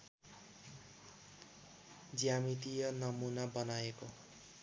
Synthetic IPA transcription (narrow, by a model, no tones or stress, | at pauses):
d͡zjamit̪ijʌnʌmunabʌnajeko